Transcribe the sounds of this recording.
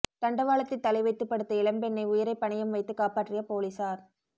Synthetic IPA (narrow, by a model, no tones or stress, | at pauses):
t̪ɐɳɖɐʋaːlɐt̪ːɪt̪ːɐlɐɪʋɐɪt̪ːɯpːɐɽɯt̪ːɐɪlɐmbɛnːɐɪʊjɪɾɐɪpːɐɳɐjɐmʋɐɪt̪ːɯkːaːpaːʈrɪjɐpoːlisaːɾ